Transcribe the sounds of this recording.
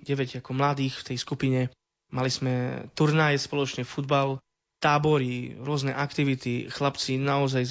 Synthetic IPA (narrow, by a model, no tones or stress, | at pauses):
ɟɛʋɛɟakɔmlad̪iːxft̪ɛjskupiɲɛ | maliz̥mɛt̪uɾnajɛspɔlɔt͡ʃnɛfud̪bal | t̪aːbɔɾiɾʊɔznɛʔakt̪iʋit̪ixlapt͡sinaɔzaj